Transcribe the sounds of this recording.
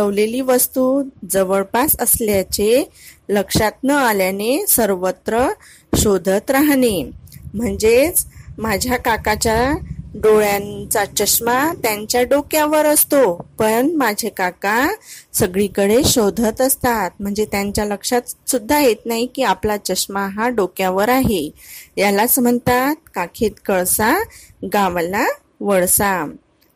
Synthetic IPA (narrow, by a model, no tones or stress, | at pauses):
t͡səʋleliːʋəst̪uːd͡zəʋəɭpasəsljat͡ɕeləkʂat̪̚nəaljanesəɾʋət̪ɾə | ɕod̪ʱət̪ɾaɦnem̤əɳd͡zet͡smad͡ʑʱjakakat͡ɕjaɖoɭjãt͡sat͡ɕəɕmat̪jaɲt͡ɕjaɖokjaʋəɾəst̪opəɾɳmad͡ʑʱekakasəɡɭikəɽeɕod̪ʱət̪əst̪at̪̚m̤əɳd͡zet̪jaɲt͡ɕjaləkʂat̪sud̪ʱːajet̪naɦikiːaplat͡ɕəɕmaɦaɖokjaʋəɾaɦejalat͡sm̤əɳt̪at̪̚kakʰet̪kəɭsaɡamla | ʋəɭsa